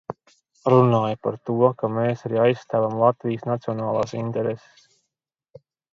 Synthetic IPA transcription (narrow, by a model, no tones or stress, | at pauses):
ɾunaːjapaɾt̪uɔkameːsaɾiːajsst̪æːvamlˠat̪vijsnat̪siɔnaːlˠaːsint̪ɛɾese̥ss